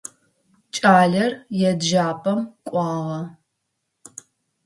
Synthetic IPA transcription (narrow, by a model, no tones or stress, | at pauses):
t͡ʃʼaːɮɐrjɛdʒaːpʰʼɐmkʷʼɑːʁɐ